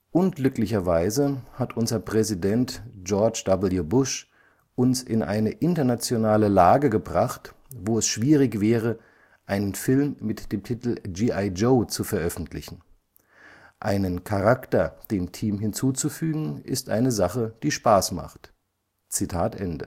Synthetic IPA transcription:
ʔʊnɡlʏklɪçɐvaɪzəhatʰʔʊnzɐpʁ̥ɛzidɛntd͡ʒɔɐt͡ʃd̥ɔbl̩jubʊʃ | ʔʊnsɪ̰nʔa̰ɪnəʔɪntɐnat͡sjonaːləlaːɡəɡəbʁaχtvoːɛsʃv̥iːʁɪçv̥ɛːʁ̞ə | ʔaɪnənfɪlmːɪtd̥eːmtʰitl̩d͡ʒiːʔaɪd͡ʒoːt͡sufɛɐʔœfn̩tʰlɪçn̩ | ʔaɪnənkʰaʁaktɐd̥eːmtʰiːmɦɪnt͡suːt͡sufyːɡŋ̩ʔɪ̰stʔa̰ɪnəzaχəd̥iːʃpaːsma̰χt | t͡sitʰaːtʔɛndə̰

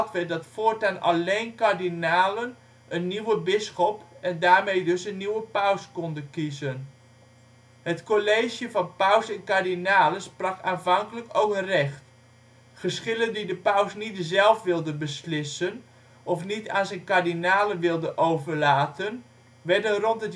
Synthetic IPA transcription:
tʋədɔtfoːrtana̰leːnkardinaːlən | ʔənːiwəbɪsxɔpɛndaːɹmejdøsənːiwəpawskɔndəkizən | hətkoleːʒjəfɑnpawsɛnkardinaːləsprɑkaːnvɑŋkələkowkərɛxt | χəskɪləndidəpawsnitəzɛlˠfʋɪlˠdənbəslɪsən | ʔɔfnitaːnsɛnkaɹdinaːləʋɪlˠdəʔowvərlaːtən | ʋɛɹdənrɔntət

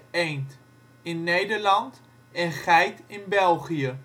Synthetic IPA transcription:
ejnt | ɪnːejdəɹlɑnt | ɛnχɛjtɪnbɛlˠχijə

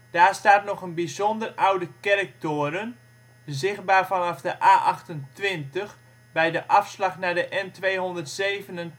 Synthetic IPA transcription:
d̥aːɹstaːtnɔχənbizɔndərʔawdəkɛrək̚toəɾən | zɪxt̚baːrfɑnɑfdəʔaːʔɑxtəntʋɪntəx | bɛjdəʔɑfslɑxnadəʔɛntʋejɦɔndərtseːvənən

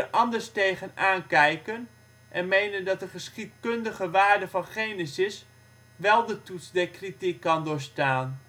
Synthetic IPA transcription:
əʔɑndəɹstejχənaːnkɛjkən | ʔɛnmejnəndɑtəχəsχit̚kɵndəχəʋaːɹdəvɑnχejnisɪs | ʋɛlˠdətutsdɛɹkritikːɑndʊːɹstaːn

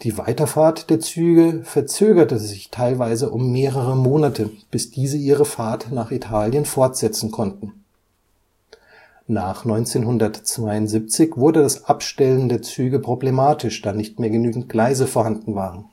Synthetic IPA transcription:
d̥iːva̰ɪtɐfaːɐtd̥eːɐt͡syːɡəfɛɐt͡søːɡɐtəzɪçtʰaɪlvaɪzəʔʊmːeːʁəʁəmoːnatʰəb̥ɪsd̥iːzəʔiːʁ̞əfaɐtnaːχitʰaːljənfɔɐtz̥ɛt͡sn̩kʰɔntn̩ | naːχnɔʏnt͡seːnɦʊndɐtt͡sv̥aɪʊntz̥ip̚t͡sɪçv̥ʊɐdədasʔapʃtɛləndeːɐt͡syːɡəpʁ̥oblemaːtʰɪʃd̥aːnɪçtmeːɐɡənyːɡŋ̩t̚ɡ̥laɪzəfoːɐhandn̩vaːʁən̩

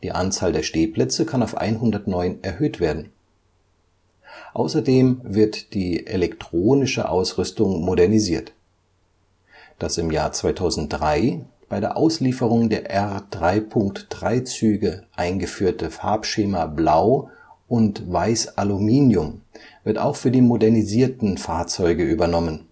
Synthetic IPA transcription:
d̥ḭːʔant͡saːldeːɐʃteːpl̥ɛt͡səkʰanaʊfʔa̰ɪnɦʊndɐtnɔʏnɛɐhøːtv̥eːɐdn̩ | ʔa̰ʊsɐdeːmvɪɐtd̥iːʔelɛktʁ̥oːnɪʃə̰ʔa̰ʊsʁʏstʊŋmodɛɐniziːɐt | d̥asɪmjaːɐt͡sv̥aɪtʰaʊzn̩t̚d̥ʁaɪ | b̥aɪɾeːɐʔaʊsliːfəʁ̞ʊŋdeːɐʔɛʁd̥ʁaɪpʰʊŋktd̥ʁaɪt͡syːɡəʔaɪnɡəfyːɐtəfa̰ɐpʃeːmablaʊ | ʔʊntvaɪsʔalumiːnjʊmvɪɐta̰ʊxfyːɐdiːmodɛɐniziːɐtn̩faːɐt͡sɔʏɡəʔyːbɐnɔmən

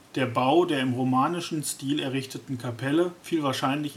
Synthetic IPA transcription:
d̥eːɐbaʊdeːɐɪmʁomaːnɪʃn̩stiːlɛɐʁɪçtətn̩kʰapʰɛləfiːlvaːɐʃaɪnlɪç

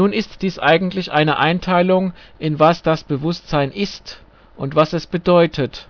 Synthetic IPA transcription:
nuːnɪstd̥iːsʔaɪɡŋ̩tlɪçʔaɪnəʔaɪntʰaɪlʊŋʔɪnvasd̥asb̥əvʊstz̥aɪnʔɪst | ʔʊntv̥asɛsb̥ədɔʏtʰət

